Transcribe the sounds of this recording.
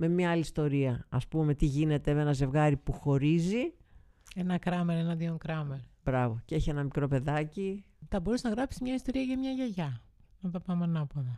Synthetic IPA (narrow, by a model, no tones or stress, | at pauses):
me̞mɲɐɐliːst̪o̞ɾiɐɐspume̞t̪iʝine̞t̪e̞me̞nɐze̞vɣɐɾipuxo̞ɾizi | e̞nɐkɾɐmeɾenɐðioŋkɾɐmeɾb̥ɾɐvo̞cee̞çie̞nɐmikɾo̞pe̞ðɐci | θɐbo̞ɾusenɐɣɾɐpsizmɲɐist̪o̞ɾiɐʝɐmɲɐʝɐʝɐ | nɐðɐpɐmɐnɐpoðɐ